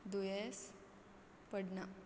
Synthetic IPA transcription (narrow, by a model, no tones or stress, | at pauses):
d̪ujɛs | pəɽna